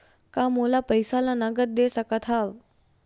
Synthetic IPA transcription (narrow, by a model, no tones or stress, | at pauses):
kamolapəjsalanaɡət̪̚d̪esakat̪ʰaʋ